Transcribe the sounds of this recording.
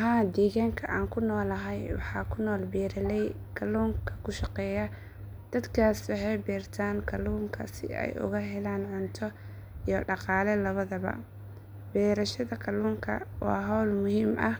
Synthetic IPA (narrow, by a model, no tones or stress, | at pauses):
ɦaːd̪iːɣaːŋkʰɐʔaːŋkʰʊnɔːlɐɦɛjwɑ̰ħɑːkʰʊnɔːlbiːɾɐlɛj | kʰɐluːŋkʰɐ̥kʰʊʃɑqɛːjɐ | d̪̥ɐd̪kʰaːswɑħɑjbiːrt̪ʰaːnkʰɐluːŋkʰɐ̰sɪ̰ɛ̰jʔʊ̰ɣɐɦɛlaːnʕʊnt̪ʰɔ | ijɞɖɑqɑːlɛlɐβɐðɐβɐ̰ | bɛːɾɐʃɐðɐkʰɐluːŋkʰɐ̰wɑ̰ːɦɔwlmʊhiːmɐh